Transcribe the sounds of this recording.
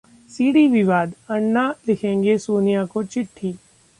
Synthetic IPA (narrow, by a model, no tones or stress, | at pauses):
siːɽiʋɪʋaːd̪ɐɳːalɪkʰẽːŋɡesoːnijakot͡ʃɪʈʰːiː